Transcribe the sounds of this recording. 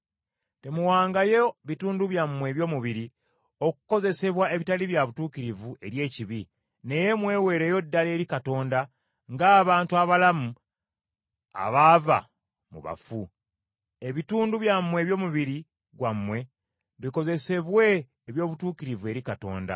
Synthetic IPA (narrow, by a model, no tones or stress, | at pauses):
te̞muwaːŋɡajeβituːnduβjamwe̞ːβjo̞ːmuβiɾi | o̞ku̥ko̞ze̞se̞βwae̞βitaliβjaβutuːkiɾivue̞ɾje̞ːciβi | ne̞je̞mwe̞ːwe̞ːɾe̞ːjo̞dːaleːɾikato̞ːnda | ŋɡaːβaːntuaβalamu | a̰βaːva̰ | mṵβa̰fu | eβituːnduβjamːwe̞ːβjo̞ːmuβiɾi | ɡwamːwe̞ | βiko̞ze̞se̞βwe̞ː | βjo̞ːβutuːkiɾivue̞ɾikato̞̰ːnda̰